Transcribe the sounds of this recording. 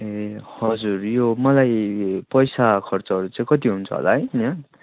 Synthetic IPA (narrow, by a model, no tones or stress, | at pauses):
ehʌd͡zurjomʌlajpʌjsakʰʌrt͡sʌɦʌɾut͡saĩkʌt̪iɦunt͡sʰʌ̰ɦo̰la̰ɦʌjnʌ